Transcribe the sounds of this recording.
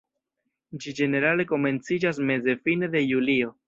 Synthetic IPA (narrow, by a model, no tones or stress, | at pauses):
d͡ʒid͡ʒe̞ne̞ɾale̞ko̞me̞nt͡sid͡ʒas̬me̞ze̞fine̞d̪e̞julio̞